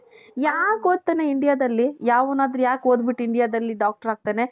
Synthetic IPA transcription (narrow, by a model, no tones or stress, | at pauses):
jaːkɦoːd̪̚t̪ːeːneiɳɖijaːd̪ɐlːijaːʋunaːd̪ɾɐjaːkoːd̪biʈːiɳɖijaːd̪ɐlːiɖaːk̚ʈɐɾaːɡ̚t̪eːne̞